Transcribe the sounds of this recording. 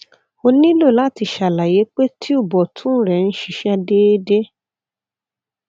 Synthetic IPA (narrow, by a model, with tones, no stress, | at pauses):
o˧nĩ˦lo˦˨la˨˦ti˧˨ʃa˨la˨je˨˦k͡pe˦tʰi˦u˦˨bɔ˨tʰũ˦ɾɛ˨n̩˦ʃi˦˨ʃɛ˦˧de˦de˦